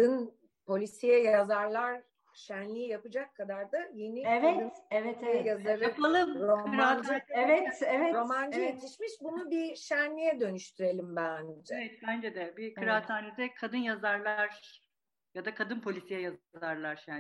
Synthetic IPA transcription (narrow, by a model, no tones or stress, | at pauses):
d̪ɯn | pʰo̞lʲisijɛjazaɾlˠaɾ | ʃænlʲijijapɯd͡ʒakʰːad̪aɾd̪aje̞niɛvɛt̪ɛvɛt̪jazlˠaɾɯalˠɯmɾomand͡ʒaɛvɛt̪ɛvɛɾo̞mand͡ʒɯjet̪ʰiʃmiʃbunubiʃænːʲijɛd̪ø̞nyʃt̪ʰyɾe̞lʲimbænevɛt̪̚bænd͡ʒɛd̪ɛbikʰɯɾaːt̪ʰaːnid̪ɛkʰad̪ɯnjazaɾlˠaɾ | jad̪akʰad̪ɯnpʰo̞lʲisijɛjazzaɾlˠaɾjaː